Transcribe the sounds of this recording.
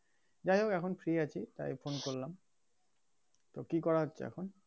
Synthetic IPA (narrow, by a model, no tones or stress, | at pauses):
d͡ʑajokɛkʰonfʰɾieat͡ɕʰit̪a̰jfonkoɾlam | t̪okikɔɾaɦotːɕʰḛɛ̰kʰon